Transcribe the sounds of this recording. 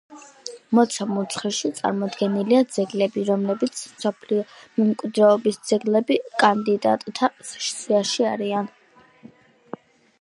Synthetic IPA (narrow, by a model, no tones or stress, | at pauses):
mɔt̪sʰamut̪sʰχɛʃit̪sʼa̰ɾmɔd̪ɡɛniliad̪zɛɡlɛbiɾɔmlɛbit̪sʰmsɔpʰliɔmɛmkʼwid̪ɾɛɔbisd̪z̥ɛɡlɛbikʼand̪id̪a̰t̪ʼt̪ʰasɛ̥ʃt̪sʰiaʃiaɾian